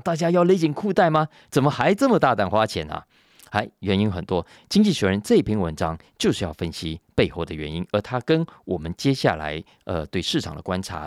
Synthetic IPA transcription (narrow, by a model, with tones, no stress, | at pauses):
t̪a˥˩t͡ɕja˥jɑ˥˩ʊle˧˥ɪt͡ɕi˨˩ŋkʰu˥˧t̪a˥˩ɪma˨ | t͡sə˨˩nmə˦xa˧˥ɪʈ͡ʂɤ˥˩mə˨˩t̪a˥˧t̪a˥˩nxwa˥t͡ɕʰjɛ̰˧˥nə̰˨ | xa˧˥ɪɥɛ˧˥ni˥nxə˨˩nt̪wɔ˥ | t͡ɕi˥ŋt͡ɕi˥˩ɕɛ˧˥ɻə˧˥nʈ͡ʂɤ˥˧i˥˩pʰi˧˥ŋwə̰˧˥nʈ͡ʂɑ˥ŋt͡ɕjo˥˧ʊʂɻ̩˥˧jɑ˥˩ʊfə˥nɕi˥pe˥˧ɪxo˥˩ʊd̪ə˩ɥɛ˧˥ni˥nə˞˧˥t̪ʰa˥kə˥nwɔ˨˩mə˦nt͡ɕjɛ˥ɕja̰˥˩la̰˧˥ɪ | ə̰˧t̪we˥˧ɪʂɻ̩˥˩ʈ͡ʂʰɑ˨˩ŋd̪ə̰˦kwa˥nʈ͡ʂʰa̰˧˥˦